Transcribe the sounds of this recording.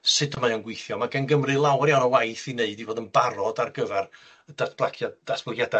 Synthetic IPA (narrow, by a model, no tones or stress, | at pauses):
sɨdəmajɔnɡwɪjθjɔmaɡɛnɡəmrɨlˠawrjawnɔwajθineɨdiboːdənbaɾɔdarɡəvɛr | datb̥lˠakʰjad̥asb̥lˠaɡjada